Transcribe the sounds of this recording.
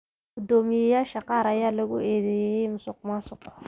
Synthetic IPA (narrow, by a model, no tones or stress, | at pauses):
ɡʊd̪ɔːmɪjɛjaːʃɐqɑːɾɐjaːlɐɣʊɛːðɛjɛjɛjmʊsʊq̚maːsʊq